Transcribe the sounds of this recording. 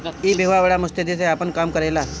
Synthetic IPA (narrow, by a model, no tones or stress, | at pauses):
iːbʱiʋaʋəɭamʊst̪ed̪iseapəɳkaːmkəɾela